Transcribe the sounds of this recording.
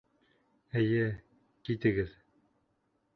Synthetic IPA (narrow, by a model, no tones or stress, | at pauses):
ɘ̆jɘ | kit̪ɘ̆ɡɘð